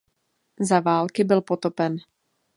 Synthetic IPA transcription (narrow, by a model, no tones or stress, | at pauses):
zavaːlkɪbɪlpo̞t̪o̞pɛn